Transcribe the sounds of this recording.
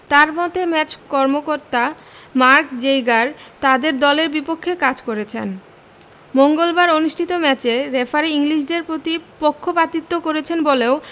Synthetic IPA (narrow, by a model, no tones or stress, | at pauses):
t̪aɾmɔt̪emɛt͡ɕkɔɾmokoɾt̪a | maɾkd͡ʑejɡaɾt̪ad̪eɾd̪ɔleɾbipokʰːekad͡ʑkoɾet͡ɕʰḛn | moŋɡolbaɾonuʃʈʰit̪omɛt͡ɕeɾefʰaɾeiŋliʃ̬ɖeɾpɾot̪ipokʰːopat̪it̪ːokoɾet͡ɕʰenboleo